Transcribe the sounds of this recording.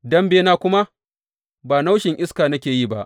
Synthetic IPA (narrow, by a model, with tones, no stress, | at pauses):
dɐ˦mbeː˦naː˦˨kʷʊ˦ma˦ | baː˨na˦wʃɪ˨ŋʔɪ˦skaː˨nɐ˦kʲeː˨jiː˦˨ba˦˨ʔ